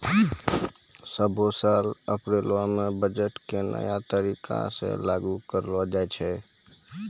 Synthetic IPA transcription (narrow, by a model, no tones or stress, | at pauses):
səbʱosaːləpɾelwãmẽbəd͡ʒəʈkenʔə̰jat̪əɾikʰa̰sḛ̃laɡukəɾlad͡ʒaɛt͡ʃʰɛ